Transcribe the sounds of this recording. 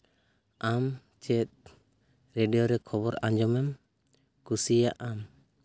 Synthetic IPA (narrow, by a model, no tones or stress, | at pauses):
am | t͡ʃɛt̪̚ | ɾeɖijɔɾɛkʰɔbɔɾãd͡ʒɔmɛm | kusijaʔam